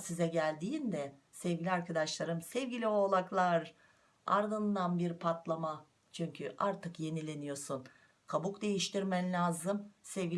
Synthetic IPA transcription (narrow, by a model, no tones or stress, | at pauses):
sizɛɟælʲd̪iːnd̪ɛ | sɛvɟilʲiaɾkʰad̪aʃlˠaɾɯmsɛvɟilʲio̞lˠaklˠaɾ | a̰ɾd̪ɯnnd̪anbiɾpʰat̪ʰlˠama | t͡ʃʰyɲcʰyʔaɾt̪ʰɯkje̞nilʲe̞nijo̞sun | kʰabukd̪e̞jiʃt̪ʰiɾmɛnlʲaːzɯmsɛvɟi